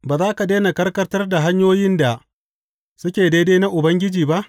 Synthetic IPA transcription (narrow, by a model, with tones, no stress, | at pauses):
baː˨zaː˦ka˨deː˦ne˨kɐ˦rkɐ˦rtɐ˦rda˨ɦa˦ɲjoː˦jɪ˦nda˨ | sʊ˦kʲeː˨deː˦deː˦na˦ʔʊ˨bɐ˦ŋɡʲɪ˦d͡ʒiː˨ba˦ʔ